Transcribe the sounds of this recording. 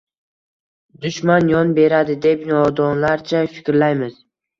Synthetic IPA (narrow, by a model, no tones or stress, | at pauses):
d̪ʊʃmanjɒnbe̞ɾad̪ɪd̪e̞pnɒd̪ɒnlaɾt͡ʃʰafɪ̥kʲɾlajmɪz̥